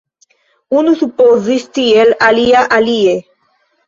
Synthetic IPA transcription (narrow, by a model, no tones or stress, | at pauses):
unusupozist̪ielaliaʔalie